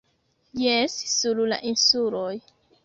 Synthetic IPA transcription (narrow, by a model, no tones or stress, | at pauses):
jessulula̰ʔinsuloj